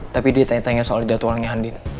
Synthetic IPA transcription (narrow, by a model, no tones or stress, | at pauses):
t̪apidiat̪aŋɛt̪aŋɛsoald͡ʒat̪uanɲaɦandin